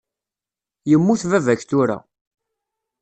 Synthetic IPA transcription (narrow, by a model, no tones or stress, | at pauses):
jəmːuθvævæçθuɾa̰